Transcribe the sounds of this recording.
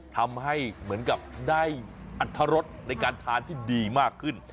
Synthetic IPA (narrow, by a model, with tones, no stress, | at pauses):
t̪ʰa˧mha˥˩jmɯ˩˦ənka˨˩p̚daː˥˩jʔa˨˩t̪ʰːa˧ɾo˦˥t̪̚na˧jkaː˧nt̪ʰaː˩˦nt̪ʰiː˥˩diː˧maː˥˩kʰːɯ˥˩n